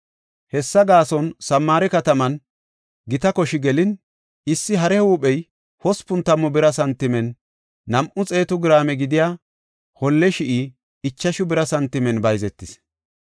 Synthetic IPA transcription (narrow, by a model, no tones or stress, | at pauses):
hɛsːɐɡaːsɔnsɐmːaːɾɛkɐt̪ɐmɐn | ɡɪt̪ɐkɔʃɪɡɛlɪn | ɪsːɪɦɐɾɛuɓɛj | hɔspʊnt̪ɐmːʊbɪɾɐsɐnt̪ːɪmɛnː | ɐmʔʊt͡sʼe̞ːt̪ʊɡɪɾaːmɛɡɪd̪ɪjaː | hɔlːɛʃɪʔi | ɪt͡ʃːɐʃʊbɪɾɐsɐnt̪ːɪmɛnbɐjzɛt̪ːɪs